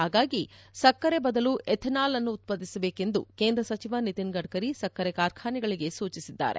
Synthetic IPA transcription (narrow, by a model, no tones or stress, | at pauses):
ɦaːɡaːɡisɐkːɐɾe̞bɐd̪ɐluʔʔet̪ʰnaːlɐnːuːt̪̚pɐd̪ːisɐbeːke̞nd̪ṵke̞ːnd̪ɾɐsɐt͡ʃiʋɐnit̪inɡɐɖ̚kɐɾisɐkːɐɾekaːɾkʰaːniɡɐɭiɡe̞suːt͡ʃisid̪ːa̰ːɾḛ